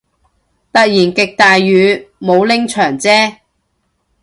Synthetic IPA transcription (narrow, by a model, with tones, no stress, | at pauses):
t̪ɐ˨t̚jiː˨˩nkɪ˨k̚t̪aː˨jɥyː˨˧mo˨˧wlɪ˥ŋt͡ʃʰœː˨˩ŋt͡sɛː˥